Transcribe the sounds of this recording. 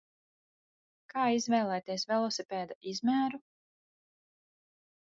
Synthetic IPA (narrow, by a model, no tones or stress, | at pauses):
kaːizvɛːlˠɛjt̪iɛsvɛlˠɔsɛpɛːd̪aizmʲæːɾu